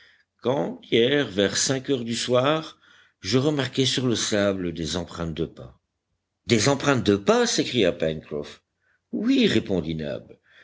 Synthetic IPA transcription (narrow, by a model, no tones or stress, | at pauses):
kɑ̃d̪jɛʁvɛʁsɛ̃kœʁd̪yswaːʁ | ʒəʁəmaʁkɛsyʁləsabləd̪ezɑ̃pχɛ̃t̪̚d̪əpa | d̪ezɑ̃pχɛ̃t̪̚d̪əpasekχijapɛnkχɔf | wiʁepɔ̃d̪ina̰bl